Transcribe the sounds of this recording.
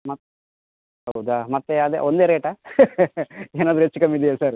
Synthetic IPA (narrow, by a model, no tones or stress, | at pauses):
mɐt̪ː | ɦɐwud̪amɐt̪ːeɐd̪ḛʔond̪eːɾeːʈa | eːnaːd̪ɾuet͡ʃːukɐmid̪ɛjasaɾ